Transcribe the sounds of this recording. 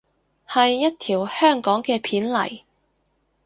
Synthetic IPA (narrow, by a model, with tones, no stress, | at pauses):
hɐ˨jːɐ˥t̚t̪ʰiː˨˩whœː˥˩ŋkɔː˨˥ŋkɛː˧pʰiː˨˥nlɐ̰˨˩j